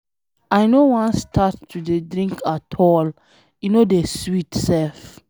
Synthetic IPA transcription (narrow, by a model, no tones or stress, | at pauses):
ajnowɔ̃nstʰatːudedɾĩŋkʰatʰɔl | junodeswitsɛlf